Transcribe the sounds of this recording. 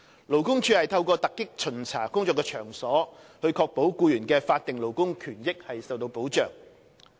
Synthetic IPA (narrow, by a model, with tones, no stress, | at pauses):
lo˨˩wkʊ˥ŋt͡ʃʰyː˨˧hɐ˨jt̪ʰɐ˧wkɔː˧t̪ɐ˨kːɪ˥k̚t͡sʰɵ˨˩nt͡sʰa̰ː˨˩kʊ˥ŋt͡sɔː˧kːɛː˧t͡ʃʰœː˨˩ŋsɔː˨˥hɵ˧ɥkʰɔː˧k̚po˨˥wkuː˧jyː˨˩nkɛː˧faː˧t̚t̪ɪ˨ŋlo˨˩wkʊ˥ŋkʰyː˨˩njɪ˥k̚hɐ˨jsɐ˨wt̪̬o˧wpo˨˥wt͡ʃœː˨˩ŋ